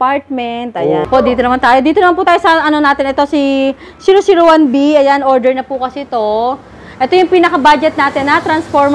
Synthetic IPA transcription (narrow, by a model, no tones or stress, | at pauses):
paɹt̪̚mɛnt̪ʔɐjapoʔd̪iːt̪onɐmant̪aːjod̪iːt̪onɐmanpuːt̪aːjosɐʔɐno̞naːt̪ɪnɛt̪o̞si | siːɾosiɾowanbiɐjanʔoɹd̪ɛɹnɐpukɐsɛt̪o̞ | ʔɛt̪ojʊŋpiːnɐkɐbad͡ʒɛt̪̚naːt̪ɪnːɐt̪ɾɐnsfoɹm